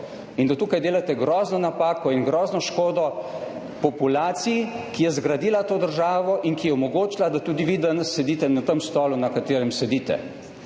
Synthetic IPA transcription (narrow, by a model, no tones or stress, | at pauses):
ind̪at̪uːkajd̪eːlat̪ɛɡɾɔːznɔnapaːkɔinɡɾɔːznɔʃkoːd̪ɔ | pɔpulaːt̪sijkijɛzɡɾad̪iːlat̪oːd̪əɾʒaːʋɔʔinkijɛɔmɔɡoːt͡ʃlad̪at̪uːd̪iʋiːd̪anəsːɛd̪iːt̪ɛnat̪əmst̪ɔːlunakat̪eːɾɛmsɛd̪iːt̪ɛ̰